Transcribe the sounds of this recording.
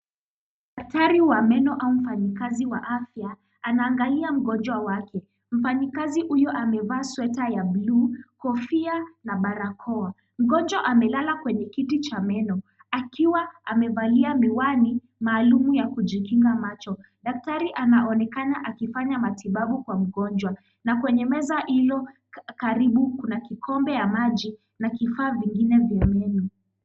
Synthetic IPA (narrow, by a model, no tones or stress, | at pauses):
ɗaktaɾiwamɛnɔʔaum̩fanikaziwa̰ʔafjaː | naːŋɡaliam̩ɡɔnd͡ʒwawakʰɛ | m̩fanikazihujɔʔamɛvaːswɛtajabluːkɔfianaɓaɾakʰɔa | m̩ɡɔnd͡ʒwaʔamɛlalakwɛɲɛkitit͡ʃamɛnɔ | akiwaamɛvaliamiwani | maːlumujakuʄikiŋɡamat͡ʃɔ | ɗak̚taɾiʔanaʔɔnɛkanaʔakifaɲamatiɓaɓukwam̩ɠɔnd͡ʒwa | nakwɛɲɛmɛzahilɔ | kaɾiɓukunakikʰɔmbɛjamaʄi | nakifaːviŋɡinɛvjamɛnɔ